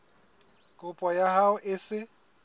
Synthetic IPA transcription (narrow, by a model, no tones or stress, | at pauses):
kʼʊpʼɔjahaʊʔɪsɪ